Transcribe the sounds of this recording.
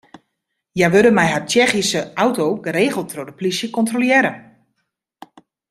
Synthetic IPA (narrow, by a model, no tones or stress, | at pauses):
jajʋødəmɛjɦart͡ʃɛxisəʔawtoːɡəɾeːɣəlˠtʰrodəplisjəkɔntroljɪɾə